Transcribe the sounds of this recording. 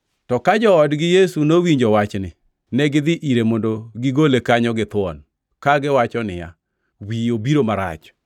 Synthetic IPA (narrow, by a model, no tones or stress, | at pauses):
tɔkad͡ʒɔɔdɡɪjesunowiɲd͡ʒɔwat͡ʃnɪ | nɛɡɪd̪ɪʔiɾemondoɡɪɡolekaɲɔɡɪt̪wɔ̰n | kaɡɪwat͡ʃɔnɪ̰ja̰ | wiobiɾomaɾa̰t͡ʃ